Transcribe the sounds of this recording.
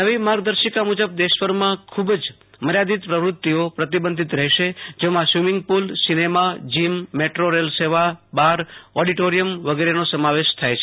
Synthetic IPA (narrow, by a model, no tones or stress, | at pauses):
nəʋimaɾɡ̚d̪əɾʃəkamud͡ʒəb̚d̪eʃʋəɾmãkʰubd͡ʒ | məɾjad̪it̪pɾəʋɾʊt̪ːiopɾət̪ibənd̪ʱit̪ɾəɦɛʃed͡ʒemãsʋimɪŋɡ̚pulsinemad͡ʒimːeʈɾoɾelseʋabaɾoɖiʈoɾijəmʋəɡeɾenosəmaʋeʃt̪ʰajt͡ʃʰe